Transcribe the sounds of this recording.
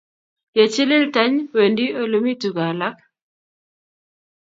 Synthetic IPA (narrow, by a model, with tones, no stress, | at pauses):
je˨t͡ʃɪ˦lɪ˦lta˦ɲwe˨ndi˦o˦lo˦mi˦tu˨ɡa˨la˦k̚